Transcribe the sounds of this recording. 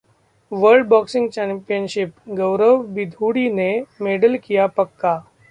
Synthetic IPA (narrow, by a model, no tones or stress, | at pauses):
ʋəɾɖ̚bɔksɪ̃ŋɡt͡ʃɛmpijənʃɪpɡəʋɾəʋbid̪ʱuɽinemeɖəlkijapəkːa